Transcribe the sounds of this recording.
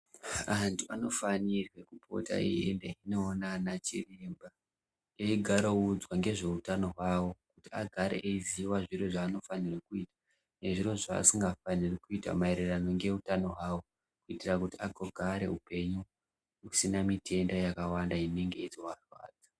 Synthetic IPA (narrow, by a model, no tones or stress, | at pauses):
antʰuano̞fanirwe̞kupʰo̞̰ta̰ḭɦendeinoːnanat͡ʃirimba | eiɡʱaɾoud͡zwaŋɡe̞ʐe̞utano̞ɦwawo̞kutiaɡʱaɾḛʔeiziwaʐiro̞ʐaːno̞fanirekuiːtḁ | ne̞ʐiro̞ʐa̰ːsiŋɡafanirikuita̰maeɾerano̞ŋɡe̞utano̞ɦwaːwo̞ | kuitirakutiaɡʱoɡʱaɾe̞̰upe̞ɲu | usinamitʰe̞ndajakawandaine̞ŋɡe̞id͡zowarwa̰ːd͡za